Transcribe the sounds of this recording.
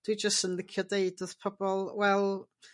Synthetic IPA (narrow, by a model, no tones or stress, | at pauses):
d̥wid͡ʒəstənðɪkʰjɔdeɨdoðpʰɔbɔlˠwɛlˠ